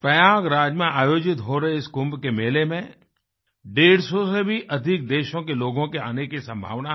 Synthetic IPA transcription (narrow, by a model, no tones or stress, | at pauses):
pɾɐjaːɡɾaːd͡ʒmẽʔaːjoːd͡ʒɪt̪ɦoɾɐɦeɪskʊ̃mbkemeːlemẽ | ɖeːɽsɔsebʱiʔɐd̪ʱɪk̚d̪eːʃõkeloːɡõkea̰ːnekisɐ̃mbʱa̰ːʋna